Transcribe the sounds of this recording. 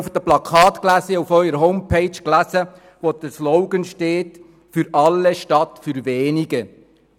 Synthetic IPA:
ufd̥̪əplɑkʰɑːt̪klæsəufœʏəɾəɦɔʊmpʰeɪt͡ʃklæsə | ʋod̪əsloʊɡənʃteːt | fyɾɑlːeʃtɑtfyɾʋeːniɡə

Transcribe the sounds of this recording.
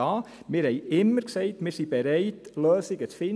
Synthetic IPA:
ɑː | mɪːɾhɛɪɪmːəɾksɛɪtmɪːɾsib̥ɛɾɛɪtlœːsɪɡət͡sfɪ

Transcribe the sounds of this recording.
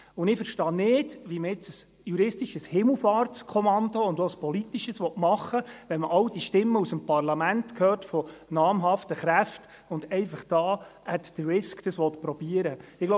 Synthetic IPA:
ʊnɪfəɾʃtɑːnɪːd̥ʋiməɪt͡səs | juɾɪstiʃəshɪml̩fɑːrtskʰɔmɑndoʊndɔəspɔlit̪ːiʃəsʋɔtmɑχːəʋɛnməʔɑld̥iʃtɪmːəusəmpɑrlɑmæntkʰhøːrtfɔnɑːmɦɑftəχɾæft | ʊndɛɪfəχd̥ɑːɛt̪d̥əɹɪskd̥ɑsʋɔt̪pɾɔb̥iəɾəɪɡ̥lo

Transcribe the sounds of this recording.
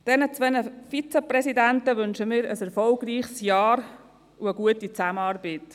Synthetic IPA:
d̥ɛnət͡sʋɛnəfit͡seprɛsidæntəʋʏnʃəmɪːɾəsɛɾfɔlɡriːχsjɑːɾ | uəɡuətit͡sæmənɑːrbəːt

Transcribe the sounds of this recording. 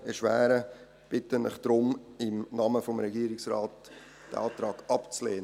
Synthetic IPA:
ɛʃʋæ̰ːɾə | b̥ɪtənlɪ̰χd̥ɾʊmɪmnɑməfomɾɛɡiːɾɪksɾɑːt | d̥əɑ̰ːt̪ɾɑːɡɑpt͡sleːn

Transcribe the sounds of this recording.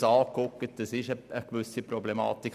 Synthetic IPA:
ɑːkɔkːət̚d̥̪əsɪʃəəɡ̥ʋʉsipɾɔblemɑ̰ːt̪ik

